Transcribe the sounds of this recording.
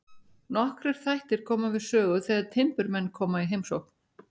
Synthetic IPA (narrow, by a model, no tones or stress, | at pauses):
nɔhkɾɪɾ̥θajht̪ɪɾ̥kʰɔːmavɪðsœːɣʏθɛɣaðt̪ʰɪmpʏɾmɛnːkʰɔːmaiɦejmsowhkn